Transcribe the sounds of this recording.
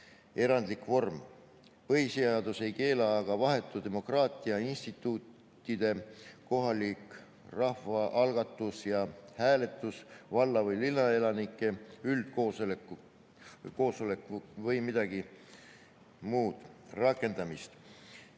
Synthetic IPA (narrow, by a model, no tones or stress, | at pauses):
e̞ɾɑnd̪likvo̞rm | pɤɦiseɑd̪̥use̞jke̞ːlɑɡ̥ɑvɑɦe̞t̪ːˑud̪̥e̞mo̞krɑːt̪ˑiɑinst̪it̪ːˑut̪ːˑ | id̪̥e̞ko̞ɦɑlik | rɑhvɑʔɑlɡ̥ɑt̪ːˑusjɑhæːle̞t̪ːˑusvɑlːɑvɤjlilːɑe̞lɑnikːˑe̞yld̪̥ko̞ːsoleku | ko̞ːsolekːˑvɤjmid̪̥ɑɡ̥i | muːd̪̥rɑkːˑe̞nd̪ɑmist̪